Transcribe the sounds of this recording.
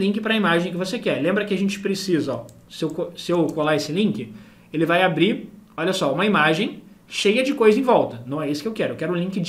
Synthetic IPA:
lĩŋk̬ɪpɾɐimaʒẽj̃k̬ɪvosekɛlẽmbɾɐkɪaʒẽnt͡ʃɪ̥pɾesizɐɔ | sɪewkosɪewkolaesɪlĩkɪ | elɪvajabɾiɾɔʎʲɐsɔũmɐimaʒẽj̃ | ʃejɐd͡ʒɪkojzɐẽj̃vɔwt̪ɐnɐ̃w̃ɛisʊ̥kɪewkɛɾʊewkɛɾʊ̃lĩkɪd͡ʒ

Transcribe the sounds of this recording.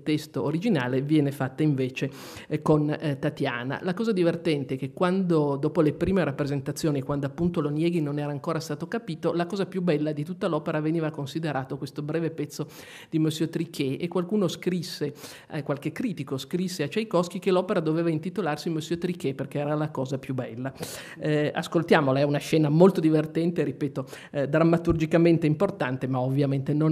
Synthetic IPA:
t̪ɛst̪oːɾid͡ʒinaːlevjɛːnefat̪ːaiɱveːt͡ʃe | kont̪at̪ja̰ːna̰lakɔːzad̪ivert̪ɛnt̪eɛk̟ekːwand̪od̪ɔːpolepɾiːmeɾapːɾezent̪at̪sːjoːniekwand̪oapːunt̪olonjɛːɡinonɛːɾaːŋkoːɾast̪aːt̪okapiːt̪olakɔːzapjubːɛlːad̪it̪ut̪ːalɔːpeɾaveniːvakonsid̪eɾaːt̪okwest̪obɾɛːvepɛt̪sːo | d̪̥imøsjot̪ɾikʰːɛʔekːwalkuːnoskɾisːe | akwalkekːɾiːt̪ikoskɾisːeat͡ʃɛjkɔsk̟ikelɔːpeɾad̪oveːvaint̪it̪olarsimøsːøt̪ɾikːɛperkeɛːɾalakɔːzapjubɛlːa | a̰skolt̪jaːmolaɛunaʃɛːnamolt̪od̪ivert̪ɛnt̪eɾipɛːt̪o | d̪ɾamːat̪urd͡ʒikament̪eimport̪ant̪emaovːjament̪enon

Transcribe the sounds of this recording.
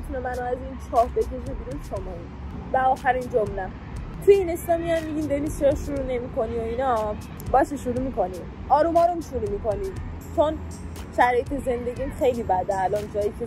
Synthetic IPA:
it̪ʰunemænoæzint͡ʃʰɒːhd̪et̪ʰezebiɾunʃomɒin | bæɒːxæɾind͡ʒomnæ | t̪ʰujeineslɒmiænmːiɟind̪eniseɾsʃuɾunemikʰo̞nioinɒ | bɒjæt̪eʃuɾumiko̞ni | ɒːɾumɒːɾomʃuɾuːmikoni | t͡ʃʰon | sæɾjit̪eze̞nd̪e̞ɡimxe̞jlibæd̪eːlɒnd͡ʒɒːjicʰe

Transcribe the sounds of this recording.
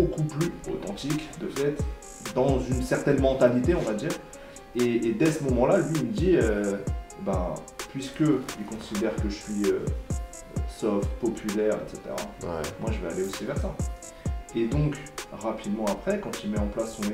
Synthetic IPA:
bokuplyo̰t̪ɑ̃t̪ikd̪əfɛt̪ | d̪ɑ̃zynsɛʁt̪ɛnmɑ̃t̪alit̪eɔ̃vad̪iːʁ | eːd̪ɛsəmɔmɑ̃lalɥiːlməd̪iø | ba | pɥiskəilkɔ̃sid̪ɛʁkəʒəsɥiø | sɔft̪pɔpʰylɛʁḛt̪set̪ḛʁa̰wɛmwaʒəvɛa̰leosivɛʁsa | ed̪ɔ̃kʁapʰid̪mɑ̃apχɛkɑ̃t̪ilmɛɑ̃plasːɔ̃ne

